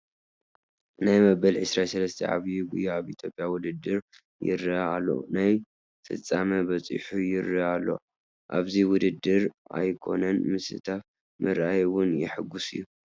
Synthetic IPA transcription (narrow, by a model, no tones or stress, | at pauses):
najmɐbɐlʕɨsɾasɐlɐst̪ʰɐ̰ʕa̰βjiɡujaaβit̪ʰjo̞pʼjawʊd̪ɨd̪ːɨɾ | jɪ̰ɾialːo̰naj | fʰɨ̰t͡sʼːamɐbɐt͡sʼɨ̰ħujɪɾialːo̞̰ | ʔa̰βziwʊd̪ɨd̪ːɨɾa̰jkʰo̞̰nɐnmɨsɨ̰t̪ʰaf | mʔɨɾajwʊnjɪ̰ħɨɡʊsɨ̰jːu